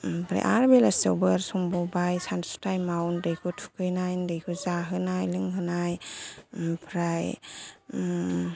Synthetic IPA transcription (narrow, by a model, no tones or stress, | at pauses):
pʰɾa̰ʔa̰ɾbelasewbɯɾsɔmbɔwbajsansu̥tajmawndɯjkʰutʰu̥kɯjnajndɯjkʰuzaɦɯnajlɯŋɦɯnaj | pʰɾaj